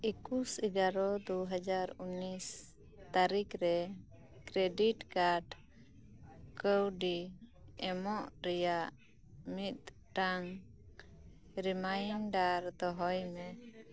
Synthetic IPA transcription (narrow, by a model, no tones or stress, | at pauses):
ikusəɡaɾɔd̪uɦad͡ʒaɾunis | t̪aɾikɾɛ | kɾɛɖiʈkaɖ | kəwɖiɛmɔʔɾɛjaʔ | mit̪̚ | ʈaŋ | ɾimajnɖaɾd̪ɔɦɔjmɛ